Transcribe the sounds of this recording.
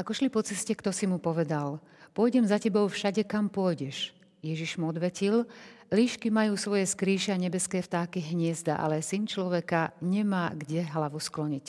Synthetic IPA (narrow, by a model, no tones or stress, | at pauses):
ʔakɔʃlipɔt͡sɛscɛkt̪ɔsimupɔʋɛd̪al | pɔjɟɛmzacɛbɔʊfʃaɟɛkampʊɔjɟɛʃ | jɛʒiʒmuɔd̪ʋɛcil | liːʃkimajuːsʋɔjɛskɾiːʃɛaɲɛbɛskɛːft̪aːkiɦɲɪɛzd̪a̰ʔa̰lɛsint͡ʃlɔʋɛkaɲɛmaːɡɟɛɦlaʋusklɔɲic